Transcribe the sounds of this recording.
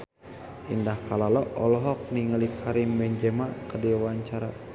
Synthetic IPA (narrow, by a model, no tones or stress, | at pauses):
ʔḭndahkalalɔʔɔlɔɦɔk̚niŋəlikʰaɾimbɛɲd͡ʒɛmakədiwaɲt͡ʃaɾa̰